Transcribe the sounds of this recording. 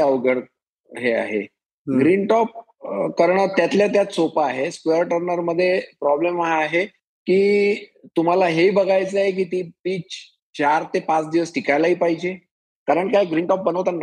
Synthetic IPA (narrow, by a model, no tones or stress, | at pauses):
əʋɡəɽ | ɦea̰ɦḛ | ɡɾinʈɔp̚ | kəɾɳəɾt̪jat̪ljat̪jat̪sopaɦeskeəɾʈəɾnəɾməd̪ʱːjepɾɔblemaaɦe | kiːt̪um̤alaɦeibəɡʱajt͡səaɦek̬iːt̪iːbiːt͡ɕ | t͡ɕaɾt̪epãt͡sd̪iʋəsʈʰikajlaɦiːpaɦid͡ʑe | kaɾəɳkajɡɾiːɳʈɔp̚bənəʋt̪anː